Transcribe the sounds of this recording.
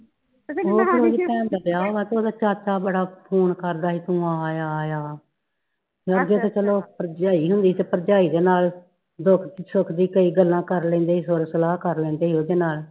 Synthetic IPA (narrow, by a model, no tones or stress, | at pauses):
oːteoːd͡ʒipɛ̃ːnd̪aːbɪjaːoːɡaːt̪eoːd̪aːt͡ʃaːt͡ʃaːbəɽaːpʰoːnkəɾd̪aːɦiːt̪ũːaːjaːjaː | əɡeːt̪eːt͡ʃəloːpəɾd͡ʒaːiːɦʊnd̪iːt̪eːpəɾd͡ʒaːiːd̪eːnaːl | d̪ʊkʰd̪iːsʊkʰd̪iːkəiːɡəlːãːkəɾlɛ̃ːnd̪eːɦiːsʊɾsəlaːɦkəɾlẽːnd̪eːɦiːoːd̪eːnaːl